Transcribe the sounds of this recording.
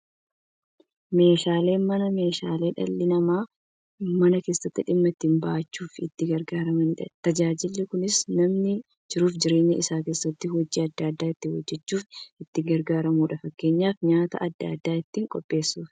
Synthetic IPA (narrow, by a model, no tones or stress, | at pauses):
me̞ːʃaːle̞ːnmɐnɐme̞ːʃaːle̞ːᶑɐ̰lːɪnɐmaː | mɐnɐke̞ːsːɐt̪ːɪᶑɪmːɐt̪ːɪmbɐʔɐt͡ʃːuːfɪt̪ːɪɡɐɾɡaːɾɐmɐnɪᶑɐt̪ɐd͡ʒaːd͡ʒɪlːɪkʊnɪsnɐmnɪ | d͡ʒɪɾuːfd͡ʒɪɾe̞ːɲːɐɪsaːke̞ːsːɐt̪ːɪhɔd͡ʒːiːɐd̪ːaːd̪ːaːɪt̪ːɪwɔd͡ʒːɛt͡ʃːuːfɪt̪ːɪɡɐɾɡaːɾɐmuːᶑɐfɐkːe̞ːɲːaːfɲaːt̪ɐ̰ʔɐd̪ːa̰d̪ːaːɪt̪ːiːŋkʼɔpʼːe̞ːsːuːf